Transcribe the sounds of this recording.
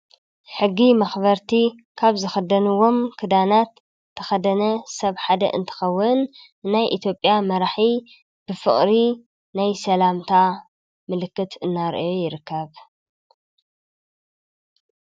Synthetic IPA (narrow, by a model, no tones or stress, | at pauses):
ħɨɡːimɐxβɐɾt̪ʰikʰaβzɨxɐd̪ɐnuwo̞mkʰɨd̪anat̪ʰː | ɐxɐd̪ɐnɐsɐβħad̪ɐ̰ʔɨ̰nt̪ʰɨ̥xɐwːʊn | najʔit̪ʰjo̞pʼjamɐɾaħi | b̥ɨfɨ̰χʼɾi | najsɐlamt̪ʰa | mɨlɨkːɨt̪ʰɨnːaɾʔjojɪɾɨkʰːɐβ